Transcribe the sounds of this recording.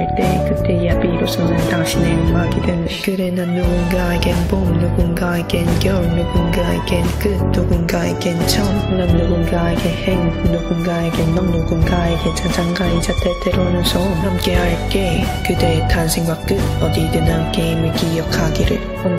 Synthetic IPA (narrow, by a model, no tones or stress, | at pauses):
ɭt͈ekɯt̪͈ːe̞japiːɾosʰʌnɯnt̪aŋɕʰinejomɦaɡidwennekɯɾenɯnnuɡunɡaeɡenbomnuɡunɡaeɡenɡjʌɭnuɡunɡaeɡenkɯt̚nuɡunɡaeɡent͡ɕʰʌmɯnannuɡunɡaeɡenheŋnuɡunɡaeɡenːannuɡunɡaeɡend͡ʑad͡ʑaŋɡaid͡ʑatet̪eɾonɯsʰʌmhamk͈e̞ɦaɭk͈e̞kɯd̪et̪ansʰeŋɡwak͈ɯtʌd̪idɯnakeimeɡijʌkʰaɡiɾɯ̰ɭ | ʌn